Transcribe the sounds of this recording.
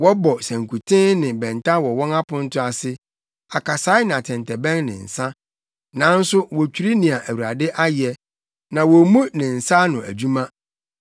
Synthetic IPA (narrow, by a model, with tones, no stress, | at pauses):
wɔ˦bɔ˨sæ̃˨ŋ˨kʰu˨tʰɪ̃˦nɪ̃˨bɛ̃˨nta˦wɔ˨wɔ̃˦ŋa˦pʰʊ̃˦n̩˦tʰʊ̃˦a˨sɪ˦ | a˨kʰa˨saː˨˦ɪ˦nã˨tʰɛ̃˨ntʰɛ˨bɛ̃˦nːɪ̰̃˨n̩˨sã˦ | nã˨˦n̩˦sʊ˦wɔ˨t͡ɕʰᶣu˨ɾi˦nɪ̃˨a˨ʔæ˨wu˨ɾa˨dɪ˦ʔa˦jɛ˨ | nã˨wɔ˨mũ˦nɪ̃˨n̩˨sa˦nʊ̃˨æ̰˨d͡ʑu˦mã˦